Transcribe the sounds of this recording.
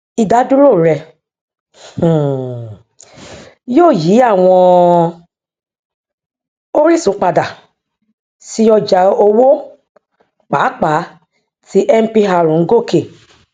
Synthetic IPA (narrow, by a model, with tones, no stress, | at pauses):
i˨da˨˦du˦ɾo˦˨ɾɛ˧˨ | joː˦˨ji˨˦a˦˨w̃ɔ̃˧ | o˦ɾi˦sũ˨˦k͡pa˧da˨ | si˧˦ɔ˧d͡ʒa˨˦o˧wo˦ | k͡pa˨˦k͡pa˨˦ | ti˦ʔɛ˦m̩˦pi˧ɦa˧˨ɾũ˨˦ŋ̩˦ɡo˦˨ke˨